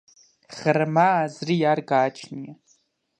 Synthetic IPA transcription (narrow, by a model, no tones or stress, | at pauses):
χərmaːzrijarɡaːt͡ʃʰnia